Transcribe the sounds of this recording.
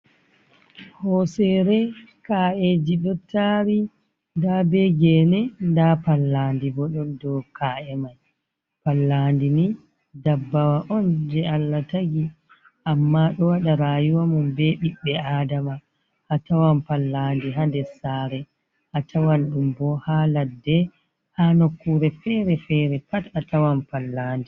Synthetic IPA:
hɔsɛɾɛ | kaːʔed͡ʒiɗɔtʰːaɾi | ndabɛɡɛnɛndapalːandibɔɗɔndɔkʰaʔɛmaj | palːandini | dabːawaʔɔnd͡ʒɛalːataɡi | ʔamːaɗɔwaɗaɾaːjuwamunbɛɗiɓːɛaːdama | ʔːtawampalːandiɦandɛsaɾɛ | ʔatʰawanɗumbɔhaladːɛ | hanokːuɾɛfɛɾɛfɛɾɛpatatawampalːaːndi

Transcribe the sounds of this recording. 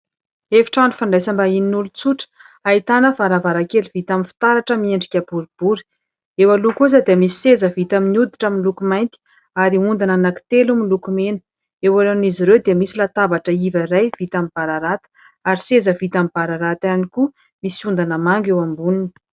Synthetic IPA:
efi̥ʈ͡ʂaɳufaɳɖ͡ʐajsambaininulut͡suʈ͡ʂə̥ | ait̪anəfaɾavaɾakeliv̥it̪aminfi̥t̪aɾaʈ͡ʂəmieɳɖ͡ʐikʲabuɾib̥uɾi̥ | ewalukuzad̪eəmisi̥sezəvit̪aminud̪iʈ͡ʂamilukumajnt̪i̥ | aɾiund̪ananaki̥t̪elumilukumenə̥ | ewaɾaniziɾewd̪eəmisilat̪avaʈ͡ʂəivaɾajv̥it̪amib̥aɾaɾat̪ə̥ | aɾisezəvit̪amib̥aɾaɾat̪aniku | misund̪anəmaŋɡewambuninə̥

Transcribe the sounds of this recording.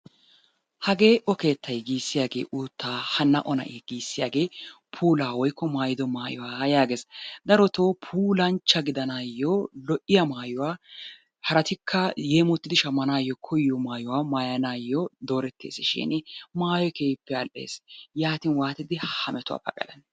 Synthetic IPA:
hɐɡe̞ːʔɔke̞ːt̪ːɐjɡiːsːɪjaːɡe̞̰ːʔuːt̪ʰːaːhɐnːɐʔɔnɐ̰ʔiːɡiːsːɪjaːɡe̞ː | pʰuːlaːwɔjkːɔmaːjɪd̪ɔmaːjɔwaːjaːɡe̞ːsd̪ɐɾɔt̪oːpʰuːlɐnt͡ʃːɐɡɪd̪ɐnaːjːoːlɔʔɪjɐmaːjɔwaː | hɐɾɐt̪ɪkʰːɐjeːmɔt̪ːɪd̪ɪʃɐmːɐnaːjːɔkʰɔjːɔmaːjʊwaːmaːjɐnaːjːɔd̪o̞ːɾɛt̪ːe̞̰ːsɪʃɪ̰nɪmaːjɔkeːpːɛɐlʔe̞̰ːsjaːt̪ɪnwaːt̪ɪd̪ɪhhɐmɛt̪ʊwa̰ːpɐ̰kʼɐ̰lɐn

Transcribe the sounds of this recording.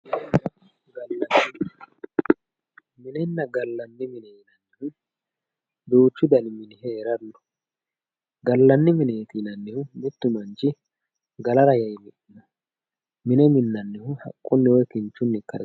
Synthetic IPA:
ɡɐlɪnɐt | mɪnɛnːɐɡɐlːɐnːɪmɪnɛnɐnːɪhʊ | d̪oːt͡ʃːʊd̪ɐnɪmɪnɪhɛːɾɐnːɔ̥ | ɡɐlːɐnːɪmɪnɛːt̪inɐnːɪhʊmɪt̪ːʊmɐnt͡ʃɪ | ɡɐlɐɾɐjɐjmɪɗɪnɔ | mɪnɛmɪnːɐnːɪhʊhɐ̰kʼːʊnːɪwɔjkɪnt͡ʃːʊnːɪkːɐɾ

